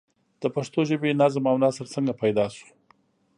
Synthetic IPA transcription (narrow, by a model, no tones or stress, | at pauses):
d̪̥əpaʂt̪oʒəbenazmawnɑsəɾt͡səŋɡapajd̪ɑsu̥